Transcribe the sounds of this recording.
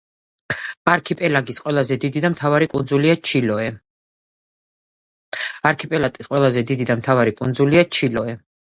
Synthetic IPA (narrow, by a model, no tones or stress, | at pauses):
aɾkʰipʼɛlaɡisqʼwɛlˠazɛd̪id̪id̪amt̪ʰavaɾikʼund̪zuliat͡ʃʰilɔɛ | aɾkʰipʼɛlat̪ʼisqʼwɛlˠazɛd̪id̪id̪amt̪ʰavaɾikʼṵnd̪zuliat͡ʃʰilɔɛ